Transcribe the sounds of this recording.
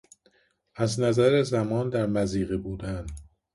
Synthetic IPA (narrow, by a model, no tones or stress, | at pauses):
æznæzæɾezæmɒːnd̪æɾmæziːɣebuːd̪æn